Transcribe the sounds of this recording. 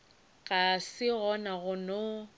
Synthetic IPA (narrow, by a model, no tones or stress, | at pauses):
ɣasɪɣɔnaɣʊno